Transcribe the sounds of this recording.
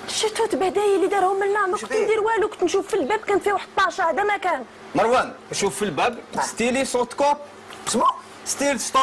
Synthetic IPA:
ʃːæt̪ut̪bæd̪æjilid̪ɑɾˤhʊmːənlaʕmək̪nd̪iɾwælukt̪nʃufːilbæb̚kænfiwaħəd̪̚t̪ːɑʕʃaʕd̪æmækæn | mɑɾˤwænæʃuffilbæbst̪ilisot̪kop̚ | s | st̪ilst̪o

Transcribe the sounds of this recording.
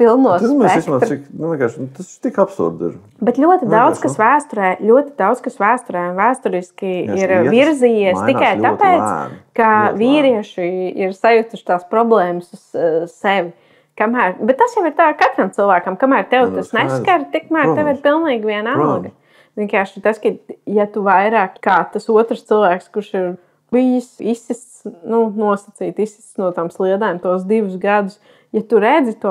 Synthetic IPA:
pilˠnuɔsmɛismat̪ɾiknuiɛ̃kaːɾʃnut̪ɐst̪ikapsṵɾd̪ɪ̰ɾ | bɛt̪lʲuɔt̪ɪd̪awd̪z̥kɐsʋæːst̪uɾɛːlʲuɔt̪id̪awd̪z̥kɐsʋæːst̪uɾɛːnʋæːst̪uɾiskiiɾviɾziːjiɛst̪ikajt̪apɛːt̪skaviːɾiɛʃiiɾsajut̪uʃt̪aːspɾɔblˠɛːməsʊz̥sɛʋɪ | kamæːɾbɛt̪ːasjawɪɾt̪aːɾkat̪ɾɐmt̪silˠʋæːkɐmkamæːɾt̪ɛwt̪asnɛskaɾt̪ik̚mæːɾt̪ɛʋɪɾpilˠniːɡʋʲiɛnalˠɡɐ | ʋʲiɛnkaːɾʃɪt̪askat̪jat̪uʋajɾaːkkaːt̪asuɔt̪ɾst̪t͡s̪ilˠʋæːkskuɾʃiɾ | b̥ijisisissnunuɔsɐt̪siːt̪isi̥st̪snuɔt̪aːmslˠiɛd̪aːmt̪uɔs̬d̪iʋusɡad̪us | jat̪uɾɛd̪zit̪uɔ

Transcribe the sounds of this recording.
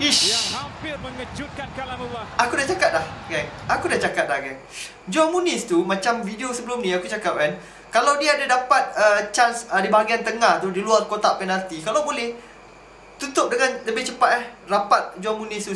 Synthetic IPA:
iʃ | akudaht͡ʃakat̪̚lahɡanakudaht͡ʃakat̪̚lahɡan | d͡ʒɔmunɪ̃st̪umãt͡ʃamfidiosəbəlʊmnĩakut͡ʃakap̚kan | kalawdiaːdadapat̪̚ət͡ʃansədibaɦaɡiant̪əŋaht̪udiluarkot̪aʔpɛnart̪ikalawbolɛh | t̪ut̪ʊp̚dəŋãnləbɪht͡ʃəpat̪̚ɛhrapat̪̚d͡ʒɔmunĩst̪u

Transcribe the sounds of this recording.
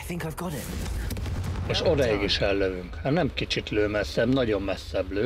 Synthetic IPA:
θɪ̃ŋkaɪvɡɑɾɪt̚ | eːʃod̪ɒiɡiʃɛlːøvyŋkhanɛmkit͡ʃit̪løːmɛsːɛbnɒɟo̞mːɛsːɛbløː

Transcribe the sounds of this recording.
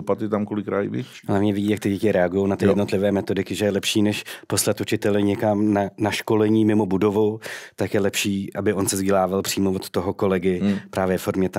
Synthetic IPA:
opat̪ɪt̪amkolɪkɾaːjɪvɪ̰ | ɦlavɲɛvɪɟiːjakt̪ɪɟɛcɪɾɛaɡujo̞wnat̪ɪjɛdnot̪lɪvɛːmɛt̪o̞dɪkɪʒɛjɛlɛpʃiːnɛʃpo̞slat̪ʔut͡ʃɪt̪ɛlɪɲɛkamnanaʃko̞lɛɲiːmɪmo̞budo̞vut̪akjɛlɛpʃiːʔabɪʔo̞nsɛzɟɛlaːvalpr̥iːmovot̪ːo̞ɦoko̞lɛɡɪpɾaːvjɛfo̞ɾmɲɛt̪a

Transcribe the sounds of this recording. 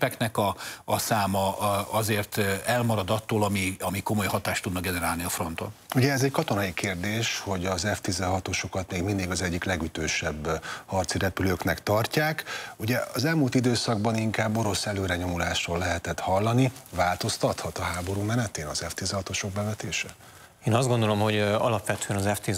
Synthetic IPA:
pɛknɛkɒːsaːmɒɒzeːrt̪ɛlmɒɾɒd̪ɒt̪ːoːlɒmiɒmiko̞mo̞jhɒt̪aːʃt̪ud̪nɒɡɛnɛɾaːlniɒfro̞n̪t̪onuɟɛɛzɛckɒt̪o̞nɒjikeːrd̪eːʃho̞ɟɒzɛft̪izɛɦɒt̪o̞ʃo̞kɒt̪meːɡmind̪iɡɒzɛɟːiklɛɡyt̪øːʃɛbːhɒrt̪siɾɛpyløːknɛkt̪ɒrcaːkuɟɛɒzɛlmuːlt̪id̪øːsɒɡ̚bɒniŋkaːbːo̞ɾo̞sɛløːɾɛɲo̞mulaːʃroːlːɛɦɛt̪ɛt̪hɒlːɒnivaːlt̪o̞st̪ɒt̪hɒt̪ɒɦaːbo̞ɾuːmɛnɛt̪eːnɒzɛft̪izɛhɒt̪o̞ʃoɡ̚bɛvɛt̪eːʃɛ | eːnɒzd̪ɡo̞nd̪o̞lo̞mho̞ɟɒlɒpʋɛt̪øɛnɒzɛft̪i

